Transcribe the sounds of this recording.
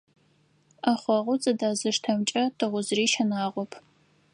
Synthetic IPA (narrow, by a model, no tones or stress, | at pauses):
aχʷɔʁʷʊt͡sʼɐdaːzɨʂtʰɐmt͡ʃʼɐtʰɨʁʷʊzɨriːʃɐnaːʁʷɔpʰ